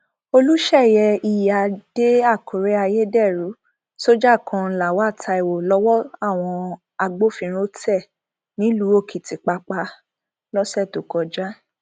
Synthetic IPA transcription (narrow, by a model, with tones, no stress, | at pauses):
o˧lu˦ʃɛ˦˨jɛ˧i˨ja˨d̥e˦a˦˨kʰo˨ɾe˦a˧je˦dɛ˦˨ɾu˨˦ | so˦d͡ʒa˦˨kʰɔ̃˧la˨wa˦˨tʰa˧i˨wo˨lɔ˧˦wɔ˦a˦˨w̃ɔ̃˧ | a˧ɡ͡bo˦fĩ˧ɾ̃ĩ˦o˦tɛ˦˨ | nĩ˨˦lu˨˦o˦˨kʰi˨ti˨k͡pa˧k͡pa˧ | lɔ˦sɛ˦˨to˨kɔ˧d͡ʒa˦